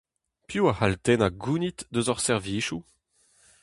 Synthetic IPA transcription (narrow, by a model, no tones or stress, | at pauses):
pjuahalt̪ɛnaɡunit̪d̪øzɔʁsɛʁviːʃu